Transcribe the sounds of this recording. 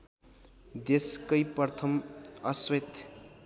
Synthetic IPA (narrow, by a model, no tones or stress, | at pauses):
d̪eskʌjpʌrt̪ʰʌmʌswet̪